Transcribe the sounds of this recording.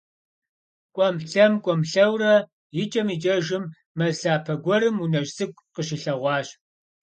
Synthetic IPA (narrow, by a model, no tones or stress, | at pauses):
kʷʼɔmɬɐmkʷʼɔmɬɐwrɐ | jɪt͡ʃʼɐmiːt͡ʃʼɐʒɪmː | ɐɮaːpʰɐɡʷɔɾɨmunɐʒsɨkʷʼqəɕɪɬɐʁʷɑːɕ